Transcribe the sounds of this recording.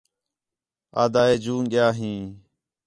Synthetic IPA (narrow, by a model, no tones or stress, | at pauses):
a̰ːd̪aːeːd͡ʒuːnɠɪjaːɦĩː